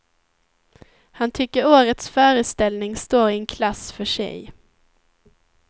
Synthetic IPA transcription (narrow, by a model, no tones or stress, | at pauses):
hant̪ʰʏkːəɾoːɾət̪sfœːɾəst̪ɛlnɪŋst̪oːɾɪɛnkʰlasfœʂɛ̰j